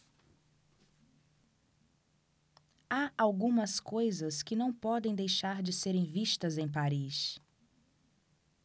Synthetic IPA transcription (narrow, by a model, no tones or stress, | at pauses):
aawɡũmɐskojzɐskɪnɐ̃w̃pɔd̪ẽj̃d̪ejʃaɾd͡ʒɪseɾẽj̃viʃt̪ɐzẽj̃paɾis